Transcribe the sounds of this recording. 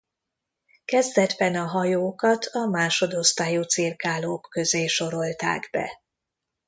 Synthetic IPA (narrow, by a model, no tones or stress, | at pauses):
kɛzd̪ɛd̪bɛnɒɦɒjoːkɒt̪ʰɒmaːʃo̞d̪o̞st̪aːjuːt̪sirkaːloːkːøzeːʃo̞ɾo̞lt̪a̰ːɡbɛ̰